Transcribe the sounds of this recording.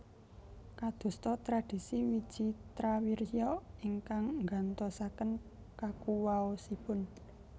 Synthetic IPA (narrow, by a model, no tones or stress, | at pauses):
kad̪̥o̤st̪ɔt̪ɾad̪̥i̤siwid̥ʒ̥i̤t̪ɾawiɾjɔiŋkaŋŋɡant̪ɔsakən | kakuwaɔsipʊn